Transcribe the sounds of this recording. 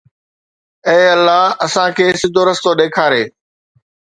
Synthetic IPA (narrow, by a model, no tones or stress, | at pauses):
eːɐlːaːɐsãkʰeːsɪd̪ʱoːɾəst̪oɗeːkʰaːɾeː